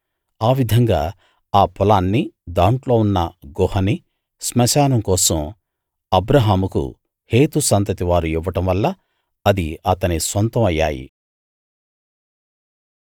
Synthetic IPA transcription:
aːʋid̪ʱɐŋɡa̰ː | aːpʰɔlaːnːid̪aːɳʈlo̞ːunːɐ̰ɡɔːhɐni | smɐʃaːnɐmkɔːsɐm | ɐbɾɐɦaːmukṵ | heːt̪usɐnt̪ɐt̪iʋaːɾuiʋɐʈɐmʋɐlːɐ | ɐd̪iɐt̪ɐnisʋɐnt̪ɐmɐjːa̰ːjḭ

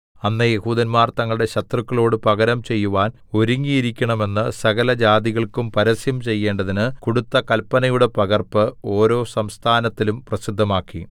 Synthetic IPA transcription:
ɐnːɐjehuːd̪ɐnmaːrt̪ɐŋːɐɭɽe̞ɕɐt̪rukːɐɭo̞ːɽɨpɐɣɐɾɐmt͡ɕe̞jːuʋaːn | o̞ɾuŋːijiɾikʲːɐɳɐme̞nːɨsɐɣɐlɐd͡ʑaːd̪iɣɐɭkumpɐɾɐsjɐmt͡ɕe̞jːe̞ːɳɖɐðinɨkuɽut̪ːɐkɐlpːɐnɐjuɽe̞pɐɣɐrpɨo̞ːɾo̞ːsɐmst̪ʰaːnɐt̪ːilumprɐsid̪ʱːɐmaːkːḭ

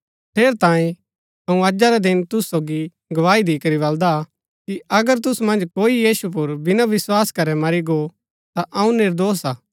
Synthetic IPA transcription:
pʰeːɾt̪ãːĩ | ɐũɐd͡ʒaɾɛd̪ɪnt̪ʊssːoːɡi | ɡɐʋaːid̪iːkɐɾibɐld̪a | kiɐɡəɾt̪̬ʊsmɐ̃nd͡ʒkoːijiːsup̬ʊɾbɪnaʋɪswaːskɐɾɛmɐɾiɡo | t̪aʔɐũnɪɾd̪oːsaː

